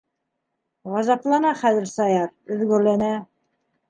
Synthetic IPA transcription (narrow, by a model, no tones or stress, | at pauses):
ʁɑzɑplˠɑnɑχæðɘ̆ɾsɑjɑɾɵ̆ðɡɵ̆ɾlænæ